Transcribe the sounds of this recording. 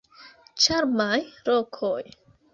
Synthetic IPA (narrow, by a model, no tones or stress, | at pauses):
t͡ʃaɾmajɾokʰoj